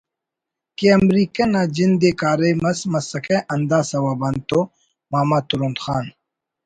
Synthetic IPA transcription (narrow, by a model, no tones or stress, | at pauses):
keɐmɾiːkɐnaːd͡ʑind̪ekaːɾejmɐsmɐsɐkʰeʔɐnd̪aːsɐwaːbɐnt̪o | maːmaːt̪uɾund̪xaːn